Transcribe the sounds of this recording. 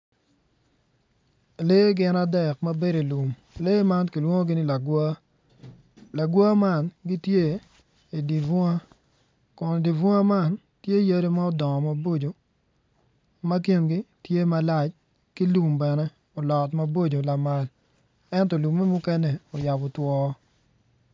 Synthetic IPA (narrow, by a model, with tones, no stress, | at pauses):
leː˦ɡɪ˦na˦dɛ˨kma˦be˦ɾe˨lu˨m | leː˦ma˦nki˨lwo˦ŋo˦ɡɪ˦nɪ˦la˨ɡ | la˨ɡwa˦ma˦˨nɡi˦tje˦ | i˨di˨vʊ˦a˦ | kʊ˨n˨di˨vʊ˦a˦ma˦˨n | tje˦ja˦ɾe˦ma˦ɔ˦dɔ˨ŋɔ˨ma˨bo˦d͡ʒo˨ | ma˦k̬je˦˨nɡi˦tje˦ma˦la˦t͡ʃ | ki˦lu˨mbɛ˨nɛ˦ | ɔ˨lɔ˨tma˦bo˦d͡ʒo˨la˨ma˨l | ɛ˦ntɔ˨lu˨me˦mu˦kɛ˦ne˨o˨ja˨bɔ˨twɔ˦